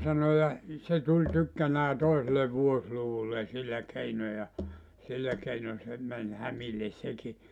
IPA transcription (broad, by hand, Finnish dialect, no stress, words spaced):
sɑno jɑ se tulʲ tykːænæː toisele ʋuosluʋulːen̞ silːæ keino jɑ silːæ keino se mæn hæmilːes seki